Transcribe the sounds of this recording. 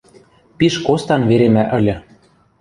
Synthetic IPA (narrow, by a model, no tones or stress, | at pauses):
piʃkost̪ɑnveɾemæʔə̆lʲɤ̆